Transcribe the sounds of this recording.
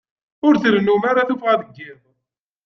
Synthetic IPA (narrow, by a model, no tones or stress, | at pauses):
ʊɾθɾənːumaɾaθufʁæðəɡːiðˤ